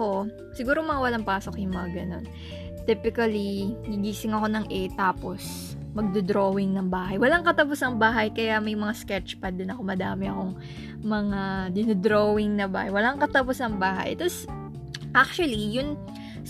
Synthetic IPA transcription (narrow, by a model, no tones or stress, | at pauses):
ko | sɪɡuːɾomɐŋawɐlaŋpaːso̞kjʊŋmɐŋaɡɐno̞̰n | t̪ipɪkɐliɡiɡiːsɪŋɐko̞nɐŋʔɛt̪aːpos | mɐɡ̚d̪od̪ɾoːwɪŋnɐŋbaːɦɐjwɐlaŋkɐt̪ɐposɐŋbaːɦɐjkɐjamɐjmɐŋaskɛt͡ʃpɐd̪ɪnɐko̞mɐd̪aːmɛɐko̞ŋ | mɐŋad̪ɪnod̪ɾoːwɪŋnɐba̰ːhɐjwɐlaŋkɐt̪ɐposɐŋbaːɦɐ̰jt̪os | ʔak̚t͡ʃwɐlijʊn